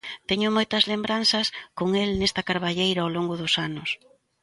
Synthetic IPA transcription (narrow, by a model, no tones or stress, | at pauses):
t̪ɛɲʊmojt̪ɐzlembɾanθɐskoŋelnest̪ɐkaɾβaʎejɾɐaoloŋɡʊðʊsanʊs